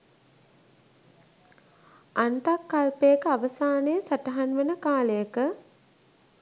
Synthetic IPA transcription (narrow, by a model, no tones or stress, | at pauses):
ant̪akːalpejəkəaʋəsaːnəjəsaʈəɦanʋenəkaːlejəkə